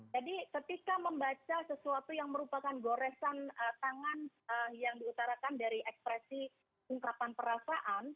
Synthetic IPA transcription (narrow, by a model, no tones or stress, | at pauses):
d͡ʒadikət̪ikaməmbat͡ʃasəsuat̪ujaŋməɾupakanɡoɾɛsanət̪aŋan | əjaŋdiut̪aɾakandaɾiʔɛkspɾɛsi | uŋkapanpəɾasaʔan